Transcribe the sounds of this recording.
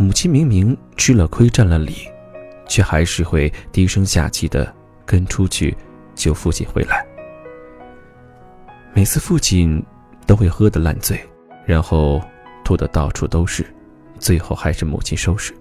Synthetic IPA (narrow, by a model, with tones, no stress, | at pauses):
mu˨˩t͡ɕʰi˥nmi˧˥ŋmi˧˥ŋ | t͡ɕʰy˥lə˨kʰwe˥ɪʈ͡ʂa˥˩nlə˨li˨˩˦ | t͡ɕʰɥɛ˥˩xa˧˥ɪʂɻ̩˥˧xwe˥˩ɪt̪i˧˥ʂɤ˥ŋɕja̰˥˧t͡ɕʰi˥˩d̪ə̰˩ | kə˥nʈ͡ʂʰu˥t͡ɕʰy̰˥˩ | t͡ɕjo˥˧ʊfu˥˧t͡ɕʰḭ˥˩nxwe˧˥ɪla˧˥ɪ | me˨˩ɪt͡sʰɹ̩˥˧fu˥˧t͡ɕʰi˥˩n | t̪o˥ʊxwe˥˩ɪxɤ˥d̪ə˨la̰˥˧nt͡swe˥˩ɪ | ɻa˧˥nxo˥˧ʊt̪ʰu˥˩d̪ə˨˩t̪ɑ˥˩ʊʈ͡ʂʰu˥˩t̪o˥ʊʂɻ̩˥˩ | t͡swe˥˧ɪxo˥˩ʊxa˧˥ɪʂɻ̩˥˩mṵ˨˩t͡ɕʰi˥nʂo˥ʊʂɻ̩˥˩